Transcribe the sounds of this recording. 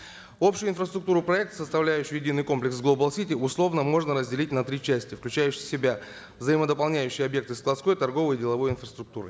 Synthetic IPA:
o̞pɕʊjʊɪnfrəst̪ɾʊk̚t̪uɾʊpɾɐɛk̚t̪səst̪ɐvlʲæjʏɕːɪjjɪdʲinɨjko̞mplʲɪksɡlˠobəlˠsʲitʲiʊslˠo̞vnəmo̞ʐnəɾəzʲdʲɪlʲit̚ʲnɐt̪ɾʲit͡ɕæsʲtʲɪfklʲʉt͡ɕæjʉɕɪsʲɪbʲa | vzəjɪməd̪əpɐlˠnʲæjʉɕːɪjəɐbje̞k̚t̪ɨsklˠɐt̪sko̞jt̪ɐrɡo̞vəjdʲɪlˠɐvo̞jɪnfrəst̪ɾʊk̚t̪uɾɨ̰

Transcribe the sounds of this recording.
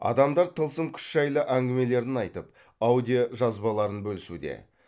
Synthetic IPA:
ɑ̰d̪ɑmd̪ɑɾt̪ʰəlˠsəmkʲʰʏ̥t̪ʒ̥ɑjlˠəʔæŋɡʲɪme̞le̞ɾɪnɑjt̪əp̚ | ɑwd̪ijoʒɑzbɑlˠɑɾənbɵlɪsud̪ḛ

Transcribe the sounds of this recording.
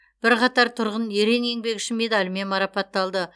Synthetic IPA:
b̥ɪɾqʰɑt̪ɑɾt̪ʰʊɾʁənje̞ɾe̞ŋe̞ŋbe̞kɪʃɪme̞d̪ɑlʲme̞nmɑɾɑpɑt̪ːɑlˠd̪ə

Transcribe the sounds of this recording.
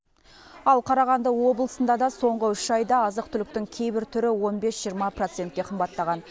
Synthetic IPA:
ɑlˠqʰɑɾɑʁɑnd̪əwo̞blˠəsənd̪ɑd̪ɑso̞ɴʁəʏʃɑjd̪ɑːzəqt̪ʰʏlɪk̚t̪ɪŋkʲʰe̞jbɪɾt̪ʰʏɾɪwo̞nbe̞sʒ̥ijəɾmɑpro̞t̪se̞nt̪̚kʲe̞qʰəmbɑt̪ːɑʁɑn

